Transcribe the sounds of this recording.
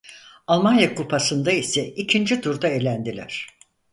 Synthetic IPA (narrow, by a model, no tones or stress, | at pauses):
alˠmanjakupʰasɯnd̪aisɛicʰind͡ʒid̪uɾd̪aelʲænd̪ilʲæ̰ɾ̝̥